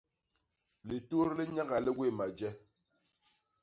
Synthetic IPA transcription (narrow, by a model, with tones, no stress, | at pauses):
le˨to˦ɾle˦ɲa˦ɣa˨le˦ɡwe˦˨ma˨d͡ʒɛ˦